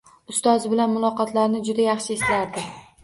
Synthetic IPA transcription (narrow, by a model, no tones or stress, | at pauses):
ʊst̪ɒzɪbɪlanmʊlˠɒqɒt̪ʰlaɾnɪd͡ʒʊd̪ajɑχʃɪeslaɾd̪ɪ